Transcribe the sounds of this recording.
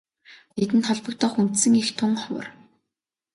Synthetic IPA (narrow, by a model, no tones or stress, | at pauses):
net̪ɘ̆nt̪ʰɔɮpɞ̆kt̪ʰɔːxun̥t̪sɘ̆ŋixt̪ʰʊŋχɔwə̰̆r